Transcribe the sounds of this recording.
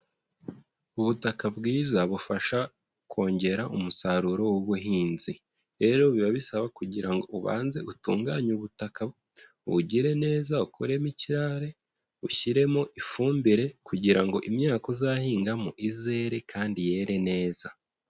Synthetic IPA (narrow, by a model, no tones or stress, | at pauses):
uβutakabɡiːzaβufaʃa | kʰo̞ːɲɟe̞ɾaʔumusaɾuɾo̞wuβuɦiːnzi | ɾe̞ɾoβiβaβisaβakuɟiɾaŋɡo̞ʔuβa̰ːnze̞ʔutṵːŋɡaɲuβutaka | βṵɟiɾe̞ne̞ːzaukʰoɾe̞miciɾaɾe̞ | uçiɾe̞mo̞ʔifuːmbiɾe̞kuɟiɾaŋɡo̞ʔimɲaːkozahiːŋɡamoʔize̞ɾe̞kʰaːndije̞ːɾe̞ne̞ːza